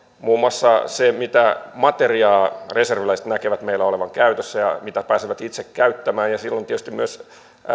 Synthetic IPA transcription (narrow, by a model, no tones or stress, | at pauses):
muːmuɑsːɑsemit̪æmɑt̪eriɑːreserʋilæse̥t̪nækeʋæt̪meilːæoleʋɑŋkæyt̪øsːæjɑ̰mit̪æpæːsiʋæt̪it̪sekkæyt̪ːæmæːnjɑsilːoniet̪yst̪immyøs